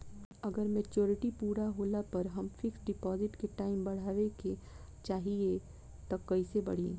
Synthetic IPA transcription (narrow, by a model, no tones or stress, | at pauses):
ɐɡəɾmeːt͡ʃoːɾɪʈipuːɾaɦoːlapɐɾɦɐmfɪksɖɪpɔːzɪʈkeʈaːɪmbɐɽ̤aːʋeke | t͡ʃaːɦie | t̪ɐkːɐisebɐ̰ɽ̤iː